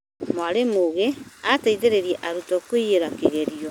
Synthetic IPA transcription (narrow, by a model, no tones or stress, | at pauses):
mwaɾemoɣeataiðeɾeɾiɛʔaɾutɔkwiɣeɾakeɣɛɾiɔ